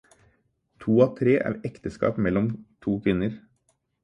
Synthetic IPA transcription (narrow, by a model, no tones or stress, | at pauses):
t̪ʰuːɑːt̪ʰɾeːʔæ̰ːɾɛkt̪əskɑ̰ːpmɛlɔmt̪ʰuːkʰʋɪnəɾ